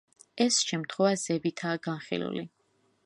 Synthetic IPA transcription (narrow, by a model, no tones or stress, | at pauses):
ɛsʃɛmt̪ʰχwɛvazɛbit̪ʰaːɡanχḭlṵli